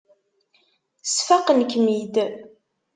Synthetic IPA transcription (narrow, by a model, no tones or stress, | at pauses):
sfaqənkmid̪